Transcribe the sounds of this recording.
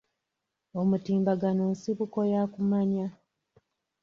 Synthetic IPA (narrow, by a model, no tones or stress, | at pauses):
omutiːmbaɡanoːnsiβuko̞jaːkumaɲa